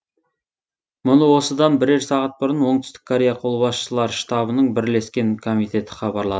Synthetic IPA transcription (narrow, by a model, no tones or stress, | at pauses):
mʊnəwo̞səd̪ɑnbɪɾe̞ɾsɑʁɑt̪̚bʊɾənwo̞ɴt̪ʏst̪ɪ̥kʰoɾʲejɑqʰo̞lˠəβɑsʃəlˠɑɾʃt̪ɑbənəɴbɪɾle̞skʲe̞nkʰo̞mijt̪ʰe̞t̪ʰɪ̥χɑbɑɾlˠɑd̪ə